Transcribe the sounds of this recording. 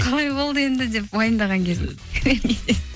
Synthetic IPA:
qʰɑɾˠɑjbo̞lˠd̪əe̞nd̪ɪd̪e̞pwojənd̪ɑʁɑŋkʰʲe̞zɪ | ɾenɡʲeze

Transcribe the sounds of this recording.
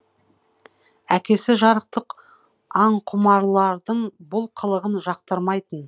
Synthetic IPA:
ækʲe̞sɪʒɑɾəq̚t̪əq | ɑɴqʰʊmɑɾlˠɑɾd̪əɴbʊlˠqʰəlˠəʁənʒɑqt̪əɾmɑjt̪ən

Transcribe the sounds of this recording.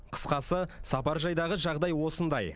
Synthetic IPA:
qʰə̥sqɑsəsɑpɑɾʒɑjd̪ɑʁəʒɑʁd̪ɑjwo̞sənd̪ɑj

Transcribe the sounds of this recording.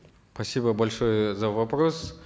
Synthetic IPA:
spɐsʲibəbɐlʲʂojəzɐvɐpɾos

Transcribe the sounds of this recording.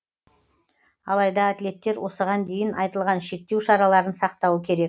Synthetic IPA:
ɑlˠɑjd̪ɑːt̪le̞t̪ːe̞ɾwo̞səʁɑnd̪e̞jɪnʔɑjt̪əlˠʁɑnʃe̞k̚t̪ːe̞wʃɑɾɑlˠɑɾənsɑqt̪ɑwəkʲʰe̞ɾe̞k̚

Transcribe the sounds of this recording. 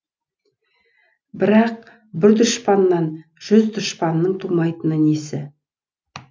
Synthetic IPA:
bɪɾɑq̚ | bɪɾd̪ʊʃpɑnːɑn | ʒ̥ʏzd̪ʊʃpɑnːəɴt̪ʰumɑjt̪ənənesɪ

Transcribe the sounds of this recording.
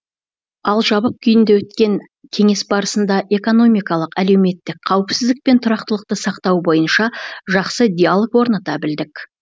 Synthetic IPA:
ɑlˠʒɑbəq̚kʲʰʏjɪnd̪ewɵt̪̚kʲe̞ŋ | kʲʰe̞ŋe̞sbɑɾəsənd̪ɑʔe̞ko̞no̞mijkɑlˠəqæle̞wme̞t̪ːɪkqʰːɑwəpsɪzd̪ɪk̚pe̞nt̪ʰʊɾɑqt̪əlˠəq̚t̪əsɑqt̪ɑwbo̞jənʃɑʒɑqsəd̪ʲealˠəkwo̞ɾnɑt̪ɑbɪld̪ɪkʲ

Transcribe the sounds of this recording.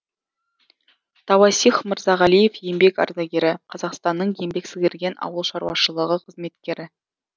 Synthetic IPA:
t̪ʰɑwɑsiχmɪɾzɑʁælˠije̞fjembe̞kɑ̰ɾd̪ɑɡʲeɾɪqʰɑzɑqst̪ɑnːəɴje̞mbe̞ksɪɡʲɪ̆ɾɡʲe̞nɑ̰wəlˠʃɑɾwɑ̰ʃəlˠəʁəqʰəzme̞t̪kʲe̞ɾɪ

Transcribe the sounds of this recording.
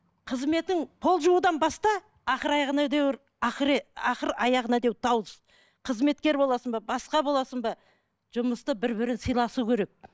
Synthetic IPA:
qʰəzme̞t̪ɪŋpʰo̞lˠʒuəd̪ɑnbɑst̪ɑ | ɑχəɾɑjɑʁənɑd̪ew | ɑχəɾɑχəɾɑjɑʁənɑd̪ewt̪ʰɑwz | qʰəzme̞t̪kʲe̞ɾbo̞lˠɑsəmbɑbɑsqɑbolˠɑsəmbɑ | ʒ̥ʊməst̪əbɪɾbɪɾɪnsijlˠɑsukʲʰeɾe̞k̚

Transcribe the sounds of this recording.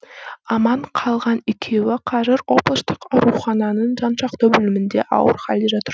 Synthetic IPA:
ɑmɑɴqʰɑlˠʁɑnɪkʲʰe̞wɪqʰɑzɪɾo̞blˠəst̪əqɑɾuχɑnɑnəɴʒɑnʃɑqt̪əbʏlɪmɪnd̪e̞ʔɑ̰wə̰ɾχɑld̪eʒɑt̪əɾ

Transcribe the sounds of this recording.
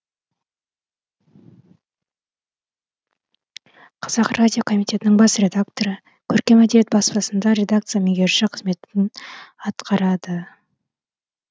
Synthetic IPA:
qʰɑzɑqrʔadʲijo̞kʰo̞mʲijt̪ʰʲe̞t̪ɪnɪŋbɑsrʲe̞d̪akt̪o̞ɾə | kʲʰɵɾkʲe̞mæd̪ej̪et̪̚bɑspɑsənd̪ɑɾe̞d̪ak̚t̪sɨjameɡʲeɾʃɪqʰəzme̞t̪ɪnɑt̪qɑɾɑd̪ə

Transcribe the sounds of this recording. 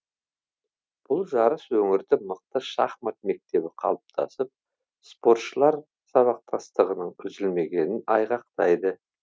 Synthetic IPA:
b̥ʊlˠʒɑɾəswɵŋɪɾd̪ɪməq̚t̪əʃɑχmɑt̪̚me̞k̚t̪e̞bɪqʰɑ̰lˠəp̚t̪ʰɑ̰səp̚ | spo̞ɾt̪ʃəlˠɑɾ | sɑβɑq̚t̪ʰɑst̪əʁənəɴʏzɪlme̞ɡʲe̞nɪnɑjʁɑq̚t̪ɑjd̪ə

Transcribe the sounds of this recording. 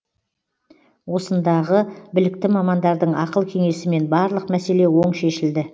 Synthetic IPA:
wo̞sənd̪ɑʁəbɪlɪk̚t̪ɪmɑmɑnd̪ɑɾd̪əɴɑqəlˠkʲʰe̞ŋe̞sɪme̞nbɑɾlˠəqmæse̞le̞wo̞ɴʃe̞ʃɪld̪ɪ

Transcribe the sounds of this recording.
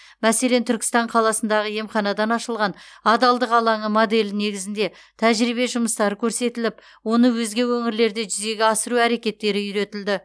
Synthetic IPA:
mæse̞le̞nt̪ʰʏɾkʲɪ̥st̪ɑɴqʰɑlˠɑsənd̪ɑʁəje̞mχɑnɑd̪ɑnɑʃəlˠʁɑnɑd̪ɑlˠd̪əqɑlˠɑɴəmod̪e̞lɪne̞ɡʲɪzɪnd̪e̞ | t̪ʰæʒɾibe̞ʒʊməst̪ɑɾəkʲʰɵɾse̞t̪ɪlɪp | wo̞nəwɵzɡʲe̞wɵŋɪɾle̞ɾd̪e̞ʒʏze̞ɡʲeɑsəɾuæɾe̞kʲe̞t̪ːe̞ɾɪʏɾe̞t̪ɪld̪ɪ

